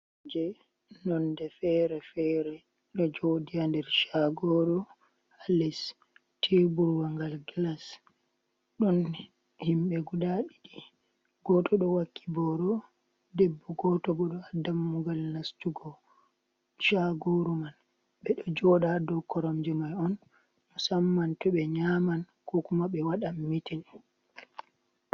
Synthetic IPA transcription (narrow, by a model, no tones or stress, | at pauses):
d͡ʒɛ | nɔndɛfɛɾɛfɛɾɛ | ɗɔd͡ʒodijandɛɾʃaɡoɾu | alɛs | tʰebuɾwaŋɡalɡlas | ɗɔn | himɓɛɡudaɗiɗi | ɡ̥ɔtʰɔɗɔwakːi̥bɔɾɔ | dɛbːɔɡɔtɔbɔɗɔadamːuɡalnastuɡɔ | t͡ʃaɡoɾuman | ɓɛɗɔd͡ʒɔɗadɔkːɔɾɔmd͡ʒimajɔn | musamːantɔɓɛɲaman | kɔkumaɓɛwaɗamːitin